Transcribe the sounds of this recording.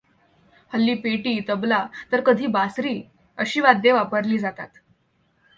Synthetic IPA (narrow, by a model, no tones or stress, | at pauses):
həlːiːpeʈiːt̪əblat̪əɾkəd̪ʱiːbasɾiː | əɕiːʋad̪ʱjeʋapəɾliːd͡zat̪a̰t̪